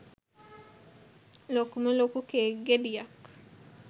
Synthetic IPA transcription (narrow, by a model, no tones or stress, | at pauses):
lokumelokukeɡedija